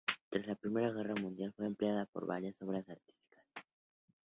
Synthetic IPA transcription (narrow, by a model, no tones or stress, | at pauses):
t̪ɾazlapɾime̞ɾaɣ̞e̞ramũnd̪jalfweːmpleaðapo̞̰ɾβa̰ɾjaso̞β̞ɾasaɾt̪i̥st̪i̥kḁs